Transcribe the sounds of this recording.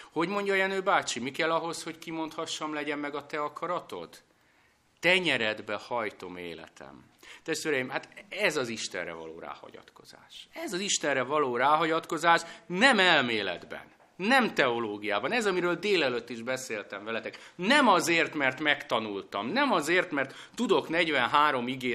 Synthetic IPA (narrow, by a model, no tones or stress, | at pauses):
ho̞ɟmo̞ɲɟɒjɛnøːbaːt͡ʃimikɛlːɒɦo̞sho̞ckimo̞nt̪hɒʃːɒmlɛɟɛmːɛɡɒt̪ɛɒkʰɒɾɒt̪o̞̰t̪ː | ɛɲɛɾɛd̪bɛhɒjt̪o̞mḛːlɛ̰t̪ʰɛ̰m | t̪ɛʃt̪ʋeːɾɛjimhaːt̪ɛzɒziʃt̪ɛ̰nrɛ̰vɒ̰lo̰ːɾa̰ːhɒ̰ɟɒ̰t̪ko̞̰z̥a̰ːʃɛzɒziʃt̪ɛnrɛvɒloːɾaːɦɒɟɒt̪ko̞zaːʃnɛmɛlmeːlɛ̰d̪bɛ̰nː | ɛmt̪ɛo̞loːɡijaːbɒnɛzɒmiɾøːld̪eːlɛløt̪ːiʒbɛseːlt̪ɛɱvɛlɛt̪ɛknɛmɒzeːrt̪mɛrt̪mɛkt̪ɒnult̪ɒ̰mnɛmɒzeːrt̪mɛrt̪ːud̪o̞knɛɟvɛnɦaːɾo̞miɡeː